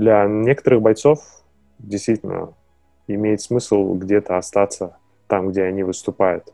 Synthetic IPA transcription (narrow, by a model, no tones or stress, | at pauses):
d̪lʲanʲe̞kə̥t̪əɾɨxbajt̪so̞f | dʲɪjst̪vʲitʲɪlʲnə̰ | ɪmʲejɪt̪smɨsəlˠɡdʲe̞t̪əast̪at̪sə | t̪amɡdʲeanʲivɨst̪ʊpajʊt̪